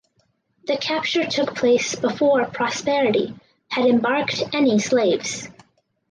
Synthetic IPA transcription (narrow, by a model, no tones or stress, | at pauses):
ðɨkʰæp̚t͡ʃə˞tʰʊk̚pʰl̥eɪsb̥əfɔɹpʰɹ̥ɑspɛɹɨɾḭ | ɨɾɨ̃mbɑɹktɛnisleɪvz̥